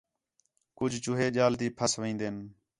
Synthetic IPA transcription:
kʊd͡ʒʱt͡ʃʊɦeːʄaːlt̪iːpʰəsʋĩːnd̪eːn

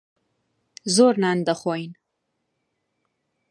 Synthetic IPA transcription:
zoɾnɑnd̪aχojn

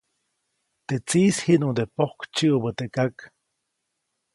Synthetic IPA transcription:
t̪et͡siːshinud̪epohkt͡ʃiubət̪ekak

